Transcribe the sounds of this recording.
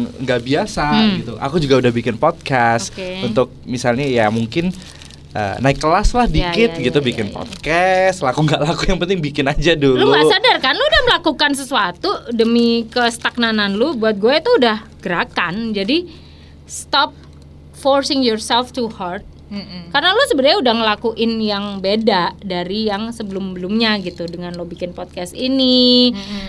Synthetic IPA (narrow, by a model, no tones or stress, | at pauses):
ŋɡaʔbiasaɡit̪uʔa̰kud͡ʒuɡaudahbikɪnpɔt̪̚kast̪keunt̪ʊk̚misalɲajamuŋkɪn | ʔə̰naɪkːəlaslahdikɪt̪̚ɡit̪ubikɪnpɔ̰d̪̚kɛst̪lakuŋɡaʔlakujaŋpənt̪ɪŋbikɪnad͡ʒaduluuasadarkanudahməlakukans̬əsuat̪udəmikəst̪ak̚nananlobuat̪̚ɡuɛit̪uːdahɡ̥əɾakand͡ʒadi | st̪ɔp̚ | fɔrsɪŋjɔrsɛlft̪uhart̪̚karənalosəbədaɲaudahŋəlakuʔɪnjaŋbedadaɾijaŋsəbəlʊmbəlʊmɲaɡit̪udəŋanlobikɪnpɔt̪̚kast̪ini